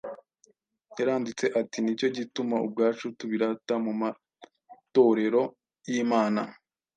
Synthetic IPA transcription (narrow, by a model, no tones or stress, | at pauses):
jaɾaːndit͡se̞ʔatinico̞ɟitumaṵb̚ɡaːt͡ʃutuβiɾatamuma | to̞ɾe̞ɾo̞ | jiːmaːna